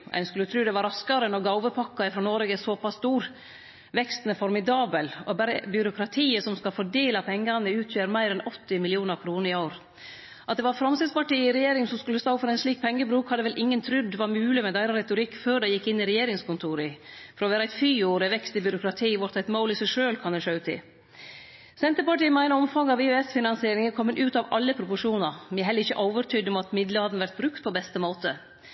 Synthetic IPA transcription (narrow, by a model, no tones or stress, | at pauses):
ʔæ̰ɪnskʉlːət̪ʰɾʉːd̪ɛʋɑɾɑskɑɾənɔɡɑʊʋəpʰɑkːɑɪfɾɔːnoːɾɛɡəsɔpɑst̪uːɾ | ʋɛkst̪nəfɔɾmɪd̪ɑːbəlɔbæɾəbʏɾʊkʰɾɑt̪ʰiːəsɔmskɑlfɔɖeːlɑpʰɛŋːɑnəʉːt̪ʰjøːɾmæɪɾɛnɔt̪ːɪmɪlɪuːnəɾkʰɾuːnəɾɪoːɾ | ʔɑt̪̚d̪ɛʋɑɾfɾɑmsɪd̪spɑʈiːəɪɾɛjeːɾɪŋəsɔmskʉlːəst̪oːfɔɾæɪnsliːk̚pʰɛŋːəbɾʉːkhɑd̪ːəʋɛlʔɪŋːənt̪ʰɾʉd̪ʋɑɾmʉːlɪmɛd̪æɪɾɑɾɛt̪ʊɾɪkːføːɖɛɪjɪkːɪnːɪɾɛjeːɾɪŋskʊnt̪ʰuːɾəfɔɾɔʋæːɾəæɪt̪fyːoːɾəʋɛkst̪ɪbʏɾʊkɾɑt̪ʰiːʋʊɾt̪æɪt̪moːlɪsæʂøːlkʰɑnd̪ɛʂɑʉt̪ʰɪ̰ | sɛnt̪əɾpɑʈiːəmæɪnəɔmfɑŋːɑʋeøɛsfɪnɑnsɪeːɾɪŋəkʰɔmːənʔʉːt̪ɑʋɑlːəpʰɾʊpʊʂuːnɑmæɦɛləɾɪçəʔoːʋəɾt̪ʰʏd̪ɔmɑt̪mɪd̪ləhɑd̪nʋæɾt̪̚bɾʉkt̪̚pʰɔbɛst̪əmoːt̪ə